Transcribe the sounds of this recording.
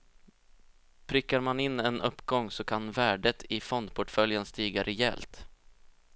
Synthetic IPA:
pʰɾʏkːaɾmanɪnːɛnɵ̰pːɡɔŋːsɔkʰanvæːɖət̪ʰɪfɔnd̪pʰʊʈfœljənst̪iːɡaɾʔɛjɛ̰lt̪

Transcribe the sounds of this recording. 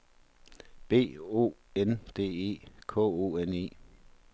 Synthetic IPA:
b̥e̝̰ːo̝̰ːend̥e̝̰ːe̝̰ːkʰɔ̰̽o̝ːene̝̰ː

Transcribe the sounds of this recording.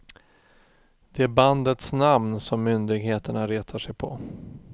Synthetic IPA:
d̪̥ɛæɾband̪ət̪snamnsɔmːʏnd̪ɪɡheːt̪əɳaɾeːt̪ʰaʂɛjpʰɔ̰

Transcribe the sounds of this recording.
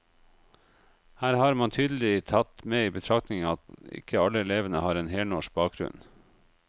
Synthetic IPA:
hæːɾhɑːɾmɑnt̪ʰyːd̪l̩ɪt̪ʰɑt̪meːiːbət̪ʰɾɑkt̪nɪŋɑt̪ɪ̰kʰəɑləɛleːʋənəhɑːɾɛːnheːɳɔʃbɑːk̚ɡɾʉ̰n

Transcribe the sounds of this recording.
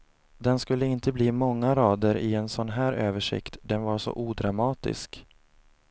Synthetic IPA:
d̪ɛnskɵlːəɪnt̪əbliːmɔŋːaɾɑːd̪əɾɪɛnsɔnɦæːɾøːvəʂɪ̰kt̪d̪ɛnvaʂɔ̰ʔuːd̪ɾamɑːt̪ɪ̰sk

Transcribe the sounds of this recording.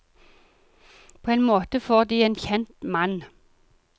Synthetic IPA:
pʰoːeːnmoːt̪əfoːʁd̪iːeːnçɛnt̪mɑn

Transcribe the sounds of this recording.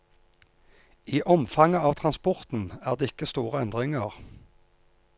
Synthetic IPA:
iːʔɔmfɑŋəɑːʋt̪ʰʁɑnspɔʁt̪n̩æːʁd̪eːɪkəst̪uːʁəɛnd̪ʁɪŋəʁ

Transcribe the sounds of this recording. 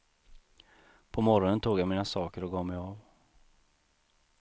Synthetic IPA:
pʰɔmɔɾɔnənt̪ʰuːɡjamiːnasɑːkəɾɔɡɑːmɛjɑv

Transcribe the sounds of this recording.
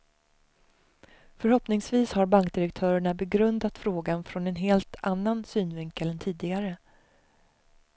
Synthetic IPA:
fœɾhɔpnɪŋsviːshaɾbaŋkd̪ɪɾɛk̚t̪ʰœːɾəɳabɛɡɾɵnd̪at̪fɾoːɡanfɾɔnɛnɦeːlt̪ʰanːansyːnvɪŋkəlɛnt̪ʰiːd̪ɪɡaɾə

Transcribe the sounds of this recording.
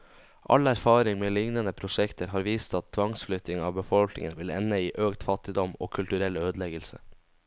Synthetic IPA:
ʔɑ̰læɾfɑːɾɪŋmeːlɪŋnənəpʰɾʊʂɛkt̪ʰəɾɦɑːɾʋiːst̪ɑt̪ʰːʋɑŋsflʏt̪ːɪŋɑːʋbəfɔlknɪ̰ŋənʋɪlɛ̰nəiːʔøːkt̪fɑt̪ɪd̪ɔmo̰ːkʰʉlt̪ʉɾɛløːd̪lɛɡəlsə̰

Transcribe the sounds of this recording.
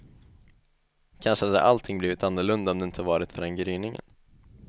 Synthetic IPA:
kʰanʂəhad̪ə̰ʔalt̪ʰɪŋbliːvɪt̪anːɵɭɵnd̪aɔmd̪ɛɪnt̪ʰəvɑːɾɪt̪fœɾɛnɡɾyːnɪŋə̰n

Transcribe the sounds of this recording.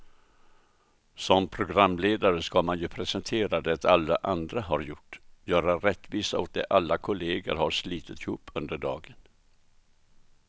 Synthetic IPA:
sɔmpʰɾʊɡɾamːleːd̪aɾəskamanjɵpʰɾɛsɛnt̪ʰeːɾad̪ɛat̪ʰalːaʔand̪ɾaɦaɾjʊʈːjœːɾaɾɛt̪ːviːsaɔ̰t̪̚d̪ɛʔalːakʰʊleːɡə̰ɾhaɾʂliːt̪ʰət̪ɪhuːpʰːɵnd̪əɖɑ̰ːɡən

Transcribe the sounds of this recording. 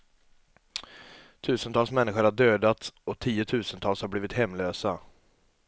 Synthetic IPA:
t̪ʰʉ̟ːsənt̪ɑːlsmɛnːɪɧʊɾhaɖøːd̪at̪ɔt̪ʰiːʊt̪ʰʉ̟ːsənt̪ʰɑːlshaɾbliːvɪt̪hɛmːløːsa

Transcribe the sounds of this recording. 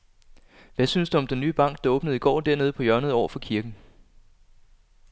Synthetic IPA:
ʋæsynsd̥uɒ̽md̥enːyːb̥ɑ̈ŋ̰ɡ̥̚d̥ɑ̈ɔːb̥nəð̞̩ˠiɡ̥ɒ̰ːd̥æɐe̝ːð̞ˠpʰɒ̽jɶɐnəð̩ˠɒ̰ʊ̰ɐfɒ̽kʰiɐɡ̥n̩

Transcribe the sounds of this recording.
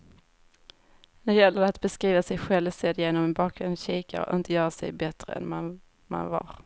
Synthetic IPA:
næd̪ɛjɛlːəɾɛat̪bɛskɾiːvasɛjɧɛlvsɛd̪jeːnɔmɛnbɑːk̚ɡɾʊnd̪ɕiːka̰ɾɔ̰ʔɪnt̪əjœːɾasɛ̰jbɛt̪ɾə̰ɛ̰nm | ma̰nvɑ̰ɾ

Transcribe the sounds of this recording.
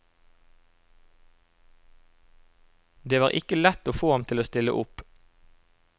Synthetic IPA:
d̪eːʋɑːʁʔɪkəlɛt̪oːfoːhɑmt̪ʰɪloːst̪ɪlə̰ʔʊp

